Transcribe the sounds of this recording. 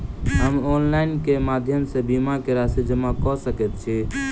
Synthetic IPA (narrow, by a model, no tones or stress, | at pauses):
ɦəmonlaɪnkemad̪ʱjəmsẽbimakeɾasid͡ʒəmakɔsəkɛt̪̚t͡ʃʰi